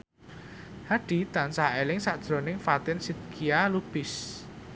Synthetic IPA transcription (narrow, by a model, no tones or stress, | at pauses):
haɖ̥i̤t̪ansaelɪŋsaʔd̥ʒ̥ɾonɪŋfat̪ɪnsid̪̚kʰialub̥ɪs